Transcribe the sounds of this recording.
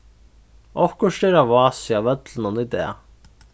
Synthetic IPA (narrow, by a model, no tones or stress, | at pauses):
ɔfkʊʂʈɛɾavɑːsiavœt̪lɪnʊnit̪ɛ̰ː